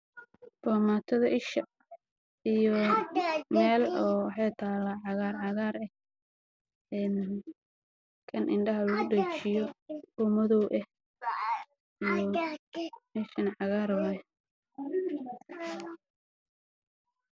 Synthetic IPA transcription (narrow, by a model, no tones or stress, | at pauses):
b̥ɔːmaːt̪ʰɐðɐʔɪʃɐ | ijɔ | mɛːlɔːwɑħɑjt̪ʰaːlːaʕɑɣaːrʕɑɣaːɾɛh | ɛːn | kʰɐnʔɪnɖɐɦɐlɐɣʊɖɐt͡ʃɪjɔɔmɔðɔwʔɛh | ijɔ | ɪʃɐnʕɑɣaːɾɔːlɛ